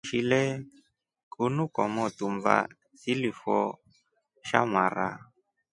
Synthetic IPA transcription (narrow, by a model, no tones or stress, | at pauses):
ʃilɛ | kʼunukʼɔmɔt̪umva̰ | silifɔ | ʃa̰maɾa̰